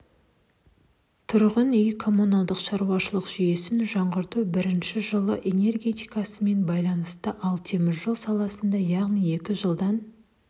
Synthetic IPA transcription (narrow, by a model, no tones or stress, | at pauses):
t̪ʰʊɾʁənʏjkʰo̞mːunɑlˠd̪əqʃɑɾuɑʃəlˠəqʒ̥ije̞sɪnʒɑɴʁəɾt̪ubɪɾɪnʃɪʒəlˠəʔe̞ne̞rɡʲe̞t̪ijkɑsəme̞nbɑjlˠɑnəst̪əʔɑlˠt̪ʰe̞mɪzʒolˠsɑlˠɑsənd̪ɑjɑʁnije̞kʲɪʒəlˠd̪ɑn